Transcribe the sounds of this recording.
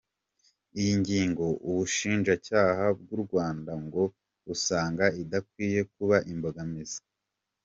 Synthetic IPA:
ijiɲɟiːŋɡo̞ʔuβuʃiːnʒacaːhab̚ɡuɾɡwaːndaŋɡo̞ | usaːŋɡaidakwiːje̞kuβaʔimbo̞ɡamizḁ

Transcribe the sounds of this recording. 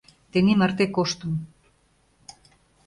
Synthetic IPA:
t̪enimərt̪ekoʃt̪ə̆m

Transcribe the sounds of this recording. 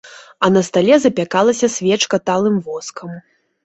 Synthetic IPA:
ɐnɐst̪alʲɛzɐpʲakalˠɐsʲɐsʲvʲɛt͡ʂkɐt̪alˠɨmvɔskɐm

